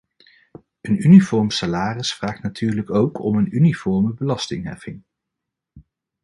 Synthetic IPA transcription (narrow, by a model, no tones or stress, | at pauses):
ənynifɔɹmsalaːrəsfraːχtnatyːɹləkowkʰɔ̰mənynifɔɹməbəlɑstɪŋɦɛ̰fɪŋ